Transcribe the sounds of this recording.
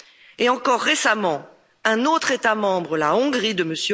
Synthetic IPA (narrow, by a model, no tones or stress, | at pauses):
eɑ̃kɔʁːesamɑ̃ | ɛ̃not̪χet̪amɑ̃bʁəlaɔ̃ɡʁid̪əməsjø